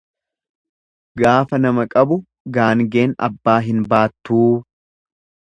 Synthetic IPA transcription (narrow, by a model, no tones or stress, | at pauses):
ɡaːfɐnɐmɐkʼɐbʊ | ɡaːŋɡe̞ːnɐ̰bːaːɦɪnbaːt̪ːuː